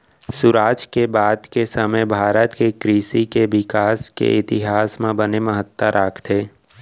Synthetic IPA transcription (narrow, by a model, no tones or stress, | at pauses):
sʊɾaːd͡ʒkebaːd̪kesəməjbʱaːɾət̪kekɾiːsikeʋɪkaːskḛɪt̪ɪɦaːsmẽbəneməɦət̪ːəɾʔaːkʰt̪ʰeː